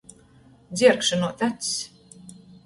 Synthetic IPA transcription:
d̪zʲiɛɾkʃanuɔt̪æt̪s

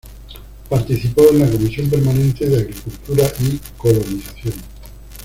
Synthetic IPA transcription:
paɾt̪iθipo̞enlako̞misjo̞mp̬e̞ɾmanẽ̞nt̪eðeaɣɾikult̪uɾaʔiko̞loniθaθjon

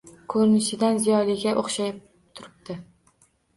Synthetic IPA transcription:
kʰɵɾnɪʃɪd̪anzijɒlˠɪɡʲaʔoχʃajɪp̚ | t̪ʰʊɾɪp̚t̪ɪ

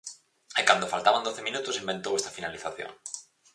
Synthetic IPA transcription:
ekand̪ofalt̪aβand̪oθemĩnut̪osimbẽnt̪owest̪afinaliθaθjõ̰ŋ

